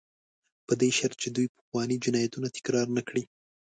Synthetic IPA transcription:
pəd̪eʃaɾt̪̚t͡ʃed̪ujpə̥xwɑnid͡ʒɪnɑjat̪unat̪ɪ̥kɾɑɾnakɽi

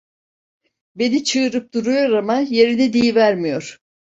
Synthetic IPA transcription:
be̞nit͡ʃʰɯːɾɯp̚d̪uɾujo̞ɾamaje̞ɾid̪ɛd̪ijivæɾmijo̞ɾ̥

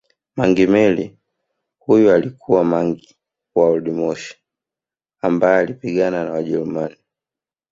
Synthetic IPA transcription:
maŋɡimɛli | hujualikʰuwamaŋɡi | waɔlɗimɔʃi̥ | ambaɛalipiɡananawaʄɛlumani

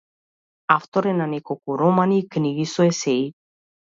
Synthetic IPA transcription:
aft̪oɾenanikokuɾomaniːkniɣisoesei

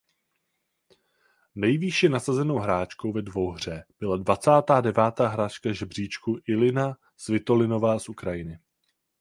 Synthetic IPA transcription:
nɛjviʃɪnasazɛno̞wɦɾaːt͡ʃko̞wvɛdvo̞wɦr̝ɛb̥ɪladvat͡saːt̪aːdɛvaːt̪aːɦɾaːt͡ʃkaʒɛbr̝iːt͡ʃkuʔɪlɪna | svɪt̪o̞lɪno̞vaːsʔukɾajɪnɪ

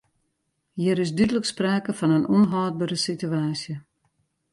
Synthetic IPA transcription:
hiəɾɪsdydələkspraːkəfɔnənʔɔnɦaːd̚bəɾəsityaːsjə

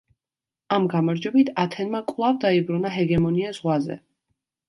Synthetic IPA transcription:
amɡamaɾd͡ʒɔbit̪ʰat̪ʰɛnmakʼwlˠavd̪aibɾunaɦɛɡɛmɔniazʁwazɛ̰

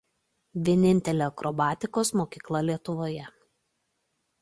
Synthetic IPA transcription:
ʋʲiɛnʲɪnʲt̪ʲɛlʲoːɐkɾʔɔːbɑːt̪ʲɪkoːsmoːkʲiːklˠɐlʲiɛt̪ʊʋoːjɛ

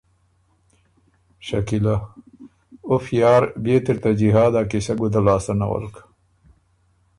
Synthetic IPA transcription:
ɕɐkila | ofjaːɾbeːt̪iɾt̪ɐd͡ʑiɦaːd̪akisɐɡud̪alaːsɐnɐ̰wɐ̰lk

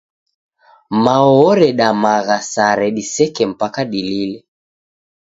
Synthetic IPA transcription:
maɔɔɾɛɗamaɣasaɾɛɗisɛkɛm̩pakaɗililɛ

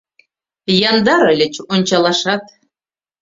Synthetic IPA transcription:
jɑnd̪ɑɾəlʲə̆t͡ɕonʲt͡ɕɑlˠɑʃɑt̪

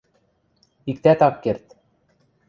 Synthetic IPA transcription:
ikt̪æt̪ɑpkert̪

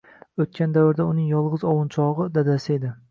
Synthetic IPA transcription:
ot̪̚kʲand̪avɾd̪aʊnɪŋjɒlˠʁɨzɒwʊnt͡ʃʰɒʁɨd̪ad̪asɪe̞d̪ɪ

